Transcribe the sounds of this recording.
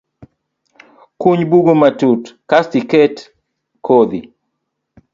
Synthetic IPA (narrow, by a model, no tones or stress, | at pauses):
kuɲbuɡomatutkastikɛt | kʰod̪i